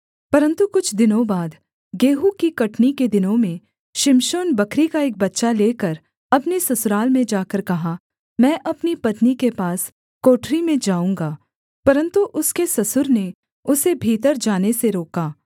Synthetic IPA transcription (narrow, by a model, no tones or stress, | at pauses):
pɐɾə̃nt̪ukʊt͡ʃʰd̪ɪnõbaːd̪ | ɡeːɦukikɐʈniked̪ɪnõmẽ | ʃɪmʃoːnbɐkʰɾikaeːk̚bɐtːʃaleːkəɾ | ɐpnesɐsʊɾaːlmẽd͡ʒaːkəɾkɐɦa | mɛ̃ːʔɐpnipɐt̪nikepaːs | koːʈɾimẽd͡ʒaːũːŋɡaː | pɐɾə̃nt̪uʔʊskesɐsʊɾne | ʊsebʱiːt̪̬əɾd͡ʒaːneseɾoːkaː